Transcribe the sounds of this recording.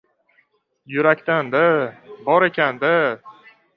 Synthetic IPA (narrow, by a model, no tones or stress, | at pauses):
jʊɾakʲt̪and̪abɒɾe̞kʲʰand̪a